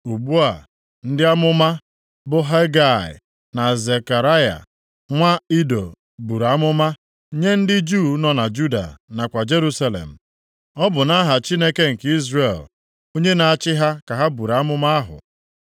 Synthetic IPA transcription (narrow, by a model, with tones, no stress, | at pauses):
u˨bu˦a˨ | n̩˦dɪ˦a˦mʊ˦ma˦ | bʊ˦ɦa˦ɡa˦˨ɪ̰˨ | na˨ze˨ka˨ɾa˦ja̰˨ | ŋʷa˦i˦do̰˨ | bu˨ɾa˦mʊ˦ma˦ | ɲe˦n̩˦dɪ˦d͡ʒuː˦˨˦nɔ˨na˨d͡ʒu˦da̰˨na˨kʷa˨d͡ʒe˦ɾu˦sa˦lḛ˨m̩˨ | ɔ˦bʊ˨na˦ɦa˨t͡ʃi˦ne˦ke˦ŋ̩˨ki˦zɾe˨l | o˦ɲe˦na˨a˦t͡ʃɪ˦ɦa˦ka˨ɦa˦bu˨ɾa˦mʊ˦ma˦a˦ɦʊ̰˨